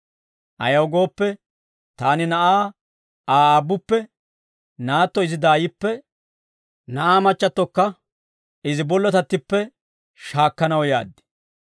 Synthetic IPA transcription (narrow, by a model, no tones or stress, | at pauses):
ʔɐ̰jɐwɡo̞ːpːɛ | t̪aːnɪnɐʔaː | aːaːbːʊpːɛ | naːt̪ːɔɪzɪd̪aːjɪpːɛ | nɐʔaːmɐt͡ʃːɐt̪ːɔkːɐ | ɪzɪbɔlːɔt̪ɐt̪ːɪpːɛ | ʃaːkːɐnɐwja̰ːd̪ːɪ̥